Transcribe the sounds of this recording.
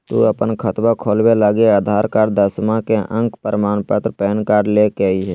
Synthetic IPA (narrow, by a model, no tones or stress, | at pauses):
t̪ṵːəpənkʰət̪wakʰoːlbelaɡeaːd̪ʱaːɾkaːɾɖd̪əsmãkeʔə̃ŋkpəɾəmaːnpət̪ɾpɛːnkaːɾɖlekɛiɦɛː